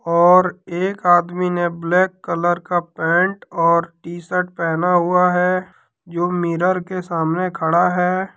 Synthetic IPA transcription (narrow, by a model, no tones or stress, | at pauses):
ɔːɾeːkaːd̪mineblɛːkːələɾkapɛ̃ːɳʈɔːɾʈiːsəʈ̚pɛːnaɦʊaɦɛ | d͡ʒoːmiːɾəɾkesaːmnekʰəɽaɦɛː